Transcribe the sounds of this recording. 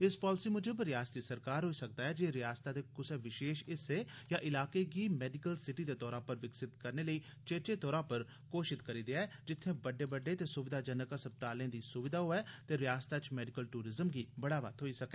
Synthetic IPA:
ɪspɔːlɪsiːmʊd͡ʒəbɾɪjaːst̪iːsəɾkaːɾɦoːiːsək̚d̪aːɛːd͡ʒeːɾɪjaːst̪aːd̪eːkʊseːʋɪʃeːʃɪseːjãːʔɪlaːkeːɡiːmɛːɖɪkəlsɪʈiːd̪eːt̪ɔːɾãːpəɾʋɪksɪt̪kəɾneːləiː | t͡ʃeːt͡ʃeːt̪ɔːɾãːpəɾ | koːʃɪt̪kəɾiːd̪eaːd͡ʒɪt̪ʰːẽːbəɖːeːbəɖːeːt̪eːsʊʋɪd̪aːd͡ʒənəkasəp̚t̪aːlẽːd̪iːsʊʋɪd̪ʱaːɦoːɛːt̪eːɾɪjaːst̪aːt͡ʃmɛːɖɪkəlʈuːɾɪzəmɡiːbəɽaːʋə̰t̪ɦoːiːsəkɛː

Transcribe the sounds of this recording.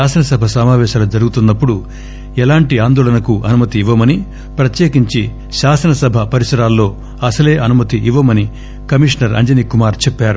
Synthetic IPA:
aːsɐnɐsɐbʱɐsɐmaːʋɛːʃaːlud͡ʒɐɾuɡut̪unːɐpːuɽu | ɛlaːɳʈiaːnd̪oːɭɐnɐkuʔɐnumɐt̪iːʋːɐmɐni | pɾɐt̪jeːkiɲt͡ʃi | ʃaːsɐnɐsɐbʱɐpɐɾisɐɾaːlːo̞ː | ɐsɐle̞ːʔɐnumɐt̪iʔiʋːɐmɐni | kɐmiʂɳɐɾɐ̰ɲd͡ʒɐnikumaːɾt͡ʃepːaːɾu

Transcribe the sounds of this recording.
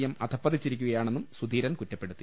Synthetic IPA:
jɐmɐd̪ʰʱɐpːɐd̪it͡ɕːiɾikʲːuɣɐjaːɳe̞nːumsud̪ʱiːɾɐnkutːɐpːeɽut̪ːi

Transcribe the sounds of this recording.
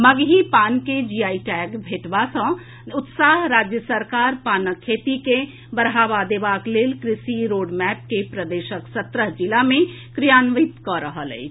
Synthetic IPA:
mɐɡɦipaːnked͡ʒiːaːiʈɛːɡbʱeːʈʋasə̃ | ʊt̪saːɦɾaːd͡ʒjəsəɾkaːɾpaːnəkʰːeːt̪ike | bəɾɦaːʋad̪eʋaːkleːlkɾɪsiɾoːɖmɛːp̚kepɾəd̪eːʃəksət̪ɾəɦd͡ʒɪlamẽ | kɾijaːnʋit̪kɔɾəɦəlḛ

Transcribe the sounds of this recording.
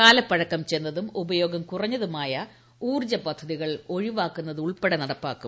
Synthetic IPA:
kaːlɐpːɐɻɐkːɐmt͡ɕenːɐðumubɐjo̞ːɡɐmkurɐɲːɐðumaːjɐ | uːrd͡ʑɐpɐd̪ʱːɐðiɣɐɭo̞ɻiʋaːkːunːɐðuɭpeɽɐnɐɽɐpːaːkːum

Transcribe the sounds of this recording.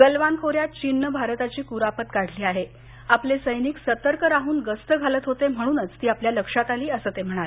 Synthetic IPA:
ɡ̥əlʋankʰoɾjat̪̚t͡ɕinːəbʱaɾt̪at͡ɕiːkuɾapət̪kaɽ̤liːaɦe | aplesəjniːksət̪əɾkəɾaɦuːnɡəst̪əɡʱalət̪ɦot̪em̤ə̃uːnət͡st̪iːapljaləkʂat̪aliːəsət̪em̤əɽ̃al

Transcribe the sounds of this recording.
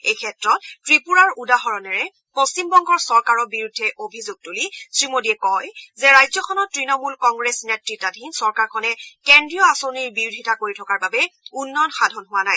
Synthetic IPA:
ejkʰɛtɹɔt̚tɹipuɹaɹudaɦɔɹɔnɛɹɛ | post͡ʃimbɔŋɡɔɹsɔɹkaɹɔbiɹudʱːɛʔobʱizuɡ̚tulisɹimodiɛkɔjzɛɹajzɔkʰɔnɔtːɹinɔmulkɔŋɡɹesnetɹitadʱinsɔɹkaɹkʰɔnɛkendɹiɔasoniɹbiɹdʱitakoɹitʰɔkaɹbabɛunːɔnxadʱɔnɦʊwanaj

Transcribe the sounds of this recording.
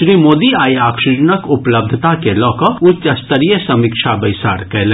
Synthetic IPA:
ʃɾiːmoːd̪iaːjaːkʃud͡ʒənəkʊpləb̚d̪ʱət̪akelɔːkɔʊtt͡ʃːɐst̪əɾijəsɐmɪkʃabɐɪsa̰ːɾkɛle

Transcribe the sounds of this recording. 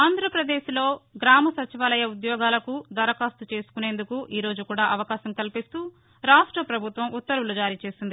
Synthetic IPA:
aːnd̪ɾɐpɾɐd̪eːʃilo̞ːɡɾaːmɐsɐt͡ʃiʋaːlɐjɐud̪jɔːɡaːlɐkud̪ɐɾɐkaːst̪ut͡ʃe̞ːsu̥kune̞ːnd̪ukuʔiːɾo̞ːd͡ʒukuːɽaːʔɐʋɐkaːʃɐmkɐlpist̪uː | ɾaːʂʈɾɐpɾɐbʱut̪ʋɐmut̪ːɐɾulud͡ʒaːɾiːt͡ʃe̞ːsind̪i

